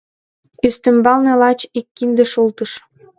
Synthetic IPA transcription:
yst̪ə̆mbɑlnĕlɑt͡ɕikːind̪ĕʃult̪əʃ

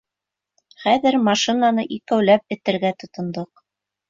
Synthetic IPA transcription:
χæðɘɾmɑʃinɑnɤʔikæwlæp̚ɘ̆t̪ɘ̆ɾɡæt̪ŏt̪ŏnd̪oq

